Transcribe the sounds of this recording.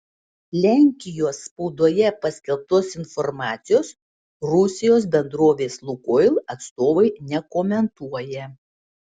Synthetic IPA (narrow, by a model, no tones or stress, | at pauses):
lʲæˑŋʲkʲɪjoːsːpɔʊd̪uɔjɛpɐsʲkʲɛlˠp̚t̪oːsɪnfɔɾmɑːt̪sʲɪjoːs | ɾʊsʲɪjoːs̬bʲɛnd̪ɾoːʋʲeːslˠʊkɔɪlˠɐt̪st̪oːʋɐɪnʲɛkoːmʲɛnt̪uɔjɛ